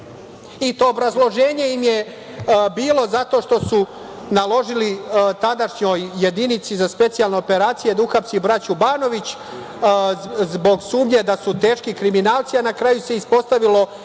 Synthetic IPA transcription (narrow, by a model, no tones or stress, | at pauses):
it̪o̞ːbɾazlˠo̞ʒe̞ːɲe̞imje | biːlo̞zat̪o̞ːʃt̪o̞su | nalo̞ʒilit̪ad̪aʃɲo̞jːed̪init̪sizaspe̞t̪sijalˠne̞ope̞ɾaːt̪sije̞d̪auxapsibɾat͡ɕubaːno̞ʋit͡ɕ | zbo̞ɡsuːmɲe̞d̪asut̪e̞ːʃkikɾiminaːlt̪sianakɾajuse̞ispo̞st̪aʋilo̞